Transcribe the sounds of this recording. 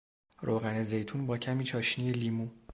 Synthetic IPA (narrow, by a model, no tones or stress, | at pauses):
ɾʔoːɣæneze̞jt̪ʰuːnbɒːcʰæmiːt͡ʃʰɒːʃnieliːmu